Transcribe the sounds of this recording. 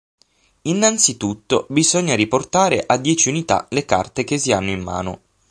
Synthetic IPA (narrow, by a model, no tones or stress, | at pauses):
inːant̪sit̪ut̪ːobizoɲːaɾiport̪aːɾeʔad̪ːjɛːt͡ʃiunit̪a̰leka̰rt̪ekesːianːoimːa̰ːno̰